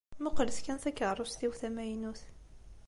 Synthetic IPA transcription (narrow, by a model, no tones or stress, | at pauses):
mʊqləskænθækːəʕɾˤusθiwθæmæjnuθ